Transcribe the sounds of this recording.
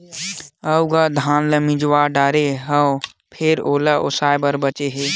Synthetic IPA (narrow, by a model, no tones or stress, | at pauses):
əuɡad̪ʱaːnləmĩd͡ʒwaːɖaːɾeɦə | pʰɪɾoːlaʔo̰saːjbəɾbət͡ʃeɦeː